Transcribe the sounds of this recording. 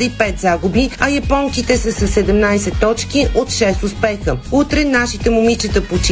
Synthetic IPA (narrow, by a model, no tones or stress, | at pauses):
ipɛt̪zaɡubiɐjɐpɔŋkit̪ɛsəsɐsɛd̪ɛmnajsɛt̪ːɔt͡ʃkiʔʔot̪ʃɛst̪ʊspɛxəut̪ɾɛnaʃit̪ɛmʊmit͡ʃət̪əpot͡ʃi